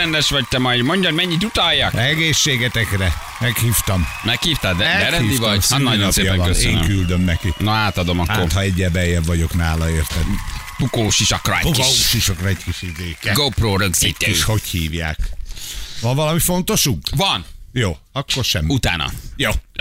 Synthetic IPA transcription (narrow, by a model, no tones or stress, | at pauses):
ɛnd̪ɛʃʋɒc̚t̪ɛmɒjd̪moɲɟɒɾmɛɲːit̪ut̪ɒjːɒkɛɡeːʃːeːɡɛt̪ɛkrɛ | mɛkhiːft̪ɒmmɛkhiːft̪ad̪ɛɛɾɛiːd̪ivɔɟsnːɒjnɒpːjɒlɒøeiːŋkyld̪ø̞mnɛkinɒaːt̪ɒd̪o̞mɒkaːot̪hɒɛɟːɛbɛjːɛbvɒɟo̞knaːlɒeːrt̪ɛn | pukoːʃiʃɒkrɔ̰ukkouʃiʃɒkrɒɛckiʃizeːkːɛɡopɾoːɾøksiɛiʃho̞chiːvja̰ːk | ʋɒɱvɒlɒmifo̞nt̪o̞ʃukvɒnjoːɒkːorʃɛmut̪a̰ːnɒ̰joː